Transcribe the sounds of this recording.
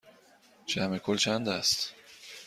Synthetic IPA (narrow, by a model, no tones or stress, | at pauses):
t͡ʃʰæmekʰolt͡ʃʰænd̪æst̪